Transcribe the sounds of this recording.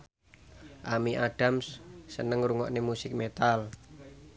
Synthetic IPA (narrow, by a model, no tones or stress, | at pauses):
ʔamiʔaɖ̥amsːənəŋruŋɔ̰ʔnemusɪk̚met̪al